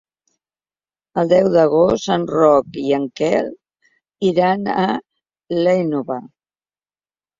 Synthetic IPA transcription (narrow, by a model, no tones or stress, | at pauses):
əlˠd̪ɛwðəɣostənrɔkiəŋkɛ̰l | iɾanə | lejnoβa